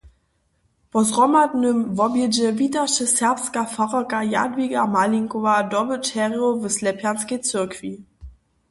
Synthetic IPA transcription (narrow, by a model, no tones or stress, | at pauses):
pɔzʁɔmadnəmvɔbjɛd͡ʑɛvitaʃəsɛɐpskafaʁakaja̰dviɡamaliŋkɔvadɔbət͡ʃɛʁjovəslɛpjansket͡sɛʁkv̥i